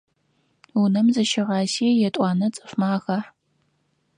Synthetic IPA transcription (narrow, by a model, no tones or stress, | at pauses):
unɐmzɨʃɪʁɑːsiːjɛtʷʼɑːnɐt͡sʼɨfmaːɣɐħ